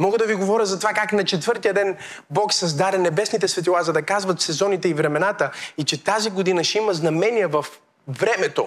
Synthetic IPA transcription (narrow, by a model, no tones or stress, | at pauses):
mɔɡəd̪ɐviɡovɔɾʲjəzɐt̪ovakaknɐt͡ʃɛt̪vɤɾt̪ijɐd̪ɛn | bɔksɐzd̪aɾɛnɛbɛsnit̪ɛsvɛt̪ilˠazɐd̪ɐkazvɐt̪sɛzɔnit̪ɛivɾɛmɛnat̪əit͡ʃɛt̪aziɡod̪inɐʃimɐznɐmɛniɛvɐf | vɾɛmɛt̪o̰